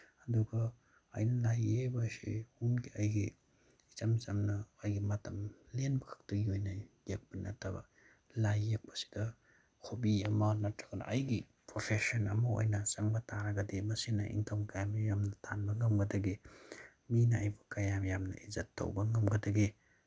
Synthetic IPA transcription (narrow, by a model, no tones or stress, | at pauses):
ɐduɡɐ̰ː | jnɐlajebasḭhunɡiajɡi | it͡ʃamzamnɐːjɡimɐtʰɐmlenbɐkʰḁk̚tɐɡiojnajek̚bɐnɐ̰tʰɐba̰ | lajːek̚pɐ̥si̥dɐ | kʰobiɐmɐnɐtɾḁɡɐnɐ̰ʔɐjɡi | pɾopʰesɔnɐmɐo̰jnɐt͡ʃaŋbɐtaɾaɡɐdimɐsinɐ̰ʔḭŋkʰɐmkajamjamnɐtʰanbɐŋɐmɡɐdɐɡi | minɐajbɐkajamjamnɐ̰ʔizatːo̰wbɐŋɐmɡɐdɐɡi